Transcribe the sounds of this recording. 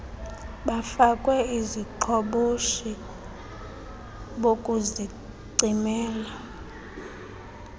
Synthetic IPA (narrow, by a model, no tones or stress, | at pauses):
ɓafakʼwɛiziǃʰɔɓoʃi | ɓokʼuzi | ǀimɛːla